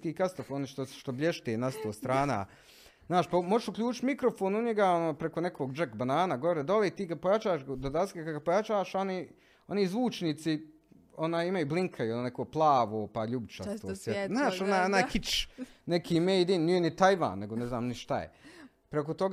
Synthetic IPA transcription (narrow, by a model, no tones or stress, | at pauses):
kiːkast̪ofoniʃt̪oʃt̪oblʎʲeʃt̪eːnast̪oːst̪ɾaːna̰ | znaːʃpamoʒeʃukʎʲuːt͡ʃɪ̥t̪mikɾofoːnuɲeɡaonoːpɾekonekʰoːɡd͡ʒekbanaːnaɡoʋoɾed̪olˠeːt̪iːɡapojat͡ʃaːʃd̪od̪at̪kakaɡapojat͡ʃaːʃoni | o̞nizʋuːt͡ʃniːt̪si | o̞naːjimajubliŋkʰajunekoːplˠaːʋoːpaʎubt͡ʃasosjeznaːʃonaːjonaːjkit͡ʃnekʰiːmeːjd̪innienit̪ajʋa̰ːnːeɡonezna̰ːmniʃt̪a̰jḛ | pɾekot̪oɡ